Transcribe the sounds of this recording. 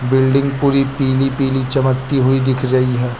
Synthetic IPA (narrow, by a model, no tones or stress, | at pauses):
bɪlɖɪ̃ŋɡpuːɾipiːlipiːlit͡ʃɐməkt̪iɦʊid̪ɪkʰɾɐɦiɦɛː